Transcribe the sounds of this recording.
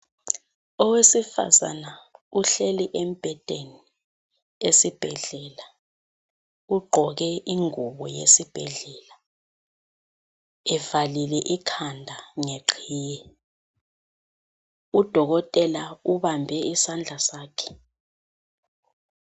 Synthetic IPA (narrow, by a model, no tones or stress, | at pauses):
ɔwesifa̰za̰nauɬeliʔem̩b̥ʱɛd̥ʱʼeni | esib̥ʱɛɮɛla | uɡ͡ǃʱɔk̬ɛiŋuɓɔjḛsib̥ʱɛɮɛla | ɛvalilɛʔikʰandʱaŋeǃʰiːjɛ | ud̥ʱɔɣɔtʼɛlauβambʱɛisand͡ɮʱasaːkʰɛ̥